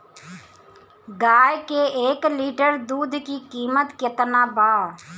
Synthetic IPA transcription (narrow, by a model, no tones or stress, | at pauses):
ɡaːjkeeːkliːʈəɾd̪uːd̪ʱkikiːmət̪kɪt̪naːbaː